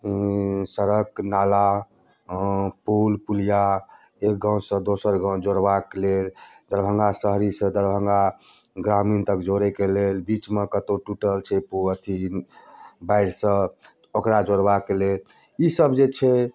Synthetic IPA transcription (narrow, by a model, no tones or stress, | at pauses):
səɾəknala | pulpulija | ek̚ɡʱə̃w̃sə̃d̪osəɾɡʱə̃w̃d͡ʒoɾbakeleld̪əɾbʱəŋɡasəɦɾisə̃d̪əɾbʱəŋɡa | ɡɾamint̪əkd͡ʒoɾɛkelelbit͡ʃmekət̪oʈuʈəlt͡ʃʰɛpuət̪ʰi | baiɽsə̃ | okɾad͡ʒoɽbakelel | isəbd͡ʒet͡ʃʰɛ